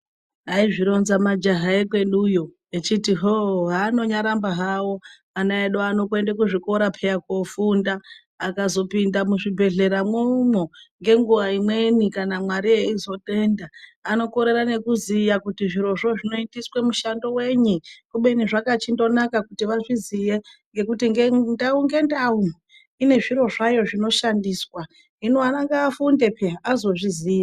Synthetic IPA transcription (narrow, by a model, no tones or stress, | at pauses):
ɦaiʐiɾo̞nzamad͡ʒaɦaekwe̞ɗujo̞ | et͡ʃitiɦoɦaːno̞ɲaɾambaɦawo̞ | anaeɗoano̞ke̞ndekuʐiko̞ɾapʰejakofundaː | kazo̞pindamuʐibʱe̞ɮe̞ɾamwomoŋɡe̞ŋɡuʋaimwe̞nikanamwaɾieizo̞te̞ndaːno̞ko̞ɾe̞ɾane̞kuzijakutiʐiɾo̞ʐo̞ʐino̞idiswemuʃando̞we̞ɲukuɓe̞niʐakat͡ʃindo̞nakakutiʋaʐizije̞ŋɡe̞kutiŋɡendauŋɡe̞ndau | ine̞ʐiɾo̞ʐajo̞ʐino̞ʃandiːswa | inoanaŋɡaːfunde̞pʰeazo̞ʐiziːja